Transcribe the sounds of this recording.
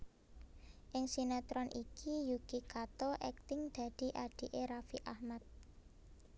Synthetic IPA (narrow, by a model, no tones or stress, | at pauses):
ʔɪŋsinat̪ɾɔnʔikʰijuɡ̥ikat̪oʔɛk̚t̪ɪŋd̪̥a̤d̪̥i̤ʔaɖ̪̥i̤ʔeɾafiʔahmat̪̚